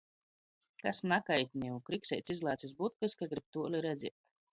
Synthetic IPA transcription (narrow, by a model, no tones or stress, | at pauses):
kasnakajt̪ʲnʲiukɾiksʲɛjt̪sʲizlˠaːt̪sʲis̬but̪̚kliskaɡɾip̚t̪uɔliɾɛd̪zʲiɛt̪